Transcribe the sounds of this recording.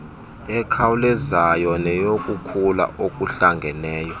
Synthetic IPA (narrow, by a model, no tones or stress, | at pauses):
ɛkʰawulɛzajɔnɛjokʼukʰula̰ʔokʼuɬaŋɡʱɛnɛːjɔ